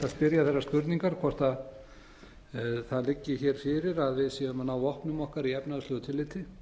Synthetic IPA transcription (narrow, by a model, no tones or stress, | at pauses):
θaðspɪɾjaθɛrːaɾskʏɾt̪niŋkaɾ̥kʰvɔr̥t̪a | θaðlɪcːɪçɛːɾ̥fɪːɾɪɾaðvɪðsɛːðʏmnawvɔhpnʏmɔhkaɾiɛpnaðʏsloːwt̪ʰɪlɪːt̪ɪ